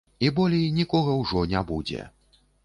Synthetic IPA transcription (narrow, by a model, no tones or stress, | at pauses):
ibɔlʲijnʲikɔɣɐwʐɔnʲabud͡zʲɛ̰